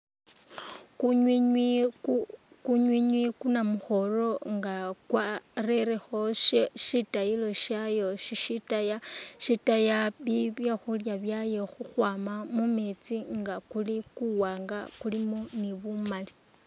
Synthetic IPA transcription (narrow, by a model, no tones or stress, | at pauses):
kɲii | kuɲwiɲwikunamuxo̞ro̞ŋɡakwareɾexo̞ʃeʃitajilo̞ʃajo̞ʃiʃitajaʃitajaβiβjaxuljaβjaje̞xuxwaːmamumet͡siŋɡakulikuwaːŋɡakulimoniβumali̥